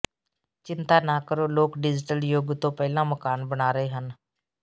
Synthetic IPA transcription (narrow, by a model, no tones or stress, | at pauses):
t͡ʃɪnt̪aːnaːkəɾoːloːkɖɪd͡ʒʈəljoːɡt̪õːpɛːlãːməkaːnbəɽaːɾəɦeːɦən